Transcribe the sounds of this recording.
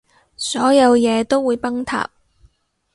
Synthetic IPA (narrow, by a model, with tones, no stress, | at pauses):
sɔː˨˥jɐ˨˧wjɛː˨˧t̪o˥wːuː˨˧jpɐ˥ŋt̪ʰa̰ː˨p̚